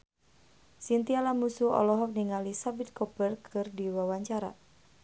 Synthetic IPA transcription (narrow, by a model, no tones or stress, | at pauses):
sint̪ialamusuɔ̰lɔɦɔk̚niŋalisabit̪̚kɔbərkʰɨrdiwawaɲt͡ʃaɾa̰